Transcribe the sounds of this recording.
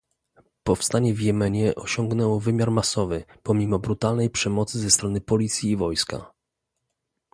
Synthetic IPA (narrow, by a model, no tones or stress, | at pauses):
pɔfst̪aɲɛvjɛmɛɲɛʔɔɕɔŋɡnɛwɔvɘmʲjaɾmasɔvɘpɔmʲimɔbɾut̪alnɛjpʂɛmɔt̪sɘzɛst̪ɾɔnɘpɔlʲit̪sʲjiːvɔjska̰